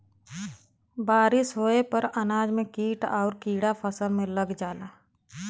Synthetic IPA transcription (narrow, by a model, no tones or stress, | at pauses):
baːɾɪsɦoːepəɾənaːd͡ʒmẽkiːʈɔːɾkiːɽapʰəsəlmẽləɡd͡ʒaːlaː